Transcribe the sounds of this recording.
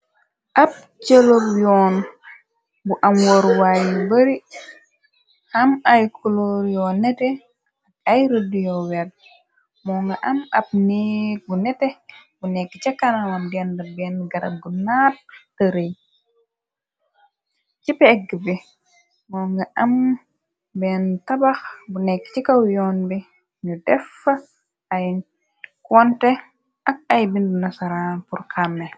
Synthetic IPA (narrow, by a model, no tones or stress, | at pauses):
ʔɐp̚ | t͡ʃelopjɔːn | buʔɐmwoɾwajibɐɾi | hɐmajkʰuloɾjɔnɛtɛ | ak̚ajɾədijɔwɛd | mɔŋɡɐʔɐmɐp̚niɡunɛtɛbunɛkːit͡ʃɐkːanamɐmdɛndɐbɛnɡɐɾɐ̰ɡunat̚ː | aɾej | t͡ʃipːɛkːibi | mɔːŋɡaʔam | bɛntabaxbunɛkːi̥t͡ʃikawjɔːnbɛ | nudɛfːa | aj | kɔntɛ | ak̚ajbindunasaɾanpuɾkʰamːɛ